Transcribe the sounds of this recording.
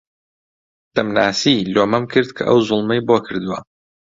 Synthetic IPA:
d̪̥ɐmnaːsiːloːmɐmkʰɨɾd̪kʰɐ̰ʔɐ̰wzʊlˠmɐjboːkʰɨɾd̪uwɐ

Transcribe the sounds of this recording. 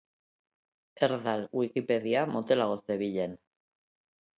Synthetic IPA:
eɾðalwikipeðiamot̪elaɣo̞sðeβiʎen

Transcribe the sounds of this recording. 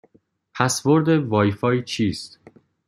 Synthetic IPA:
pʰæsvoɾd̪evɒːjfɒːjt͡ʃʰiːst̪

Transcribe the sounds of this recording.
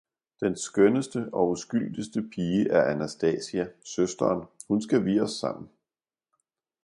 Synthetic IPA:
d̥ensɡ̥œnəsd̥əɒ̽usɡ̥yl̰d̥əsd̥əpʰiːəʔæɐʔænæsd̥ɛ̰ːsiæsøsd̥ɐːnhunsɡ̥æʋiːɒsːɑ̈m̰n̩

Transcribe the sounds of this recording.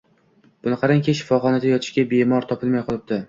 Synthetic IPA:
b̥ʊnɪqʰɑɾaŋkʲʰeʃɪ̥fɒχɒnad̪ajɒt̪ʰɪ̥ʃɡʲabemɒɾt̪ʰɒpʰɪlˠmajqʰɒlˠɪb̚d̪ɪ

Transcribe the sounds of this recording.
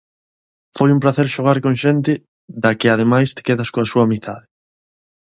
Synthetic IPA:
fojumpɾaθeɾʃoɣ̞aɾkoŋʃent̪ɪ | ðakɪað̞emajst̪ɪ̥keðaskoasuɐamit̪ʰaðɪ

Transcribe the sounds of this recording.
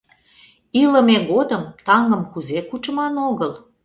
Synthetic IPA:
iləmeɣod̪əmt̪ɑŋɡəmkuzekut͡ʃəmɑnoɣəl

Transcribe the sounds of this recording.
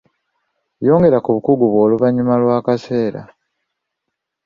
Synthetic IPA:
jo̞ːŋɡe̞ɾakuβukuɡuβwo̞ːluβaɲːumalwaːkase̞ːɾa̰

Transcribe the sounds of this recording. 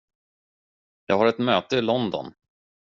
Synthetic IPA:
jɑ̰ːɡɦaɾɛt̪møːt̪əɪlɔnd̪ɔ̰n

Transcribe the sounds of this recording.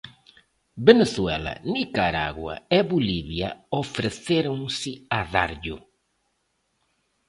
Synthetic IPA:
beneswɛlɐ̰nikaɾa̰ɣwɐ̰eβuliβjɐ̰ofɾeθeɾõŋsɪaða̰ɾʎʊ̰

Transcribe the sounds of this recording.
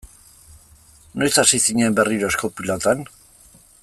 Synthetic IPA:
nojsasisiɲembe̞riɾoskopilot̪an

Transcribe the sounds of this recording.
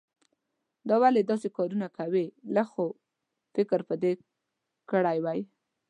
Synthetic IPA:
d̪ɑwaled̪ɑsekɑɾunakʰawelaxo | fɪkɾpəd̪e | kəɽajwaj

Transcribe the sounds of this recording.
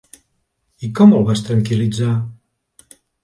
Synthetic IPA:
ikɔmɔβast̪ɾaŋkirid͡za

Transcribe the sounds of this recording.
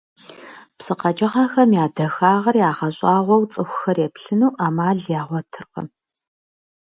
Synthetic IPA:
psɨqɐd͡ʒɐʁaxɐmjaːdɐxaːʁɐrjaːʁɐɕʼaːʁʷɔwt͡sʼɨxʷxɐrjepɬɨnuːʔaːmaːɮjaːʁʷɔtʰɨrqə̰

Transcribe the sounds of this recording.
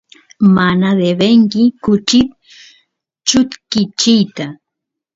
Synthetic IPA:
manad̪ebeŋkɪkʊt͡ʃɪt̪̚ | t͡ʃʊt̪kɪt͡ʃɪjt̪a

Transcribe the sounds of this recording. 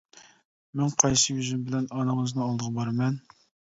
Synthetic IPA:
mɪŋqʰɑjsəjyzymbɪlɛnɑnəŋəznɨɑlˠd̪əʁɑbɑɾmɛn

